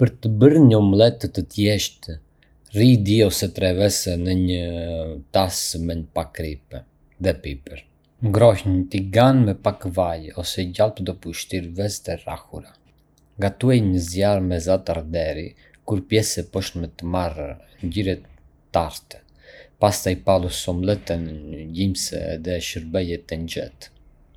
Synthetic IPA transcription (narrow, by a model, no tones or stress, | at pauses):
pəɾt̪əbəɾɲəɔmlˠɛt̪ət̪ət̪jɛʃt̪ | rid̪iɔsɛt̪ɾɛvɛsɛnəɲət̪asmɛɲpakɾipɛ | ðɛpipɛɾ | ŋɡɾɔhɲt̪iɡanmɛpakvajɔsɛɟalˠpəd̪ɔpuʃt̪iɾvɛzt̪ɛra̰huɾa | ŋɡat̪uɛjɲəzjaɾmɛzat̪aɾd̪ɛɾi | kuɾpjɛsɛpɔʃnmɛt̪əmaɾ | ɲɟiɾɛt̪ː | aɾt̪ɛ̥ | past̪ajpalˠusɔmlɛt̪ɛnɟimsɛ̰ðɛʃəɾbɛjɛt̪ɛnd͡ʒɛt̪